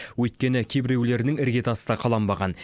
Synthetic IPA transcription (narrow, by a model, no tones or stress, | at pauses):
wɵjt̪̚kʲe̞nɪkʲʰebɪɾewle̞ɾɪnɪŋɪɾɡʲe̞t̪ɑsə̥d̪ɑqʰɑlˠɑmbɑʁɑn